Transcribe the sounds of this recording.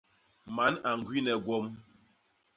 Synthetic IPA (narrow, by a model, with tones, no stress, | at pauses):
ma˨˦na˨ŋ˨ɡwi˦nɛ˨ɡwɔ˦m